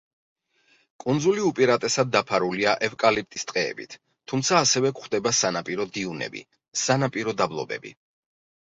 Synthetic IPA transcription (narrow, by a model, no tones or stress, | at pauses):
kʼund̪zuliupʼiɾat̪ʼɛsad̪ːapʰaɾuliaʔɛvkʼalip̚t̪ʼi̥st̪ʼqʼɛ̰ːbḭt̪ʰ | umt̪sʰaːsɛvɛkχd̪ɛbasanapʼiɾɔd̪iunɛ̰bḭ | sanapʼiɾɔd̪ablˠɔ̰bɛ̰bḭ